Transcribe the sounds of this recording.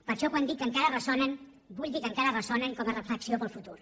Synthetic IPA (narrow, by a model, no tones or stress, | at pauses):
pəɾʃɔkwand̪it̪̚əŋkaɾərəsɔnən | buʎd̪ikəŋkaɾərəsɔnəŋkɔmərəfləksiopəlˠfut̪uɾ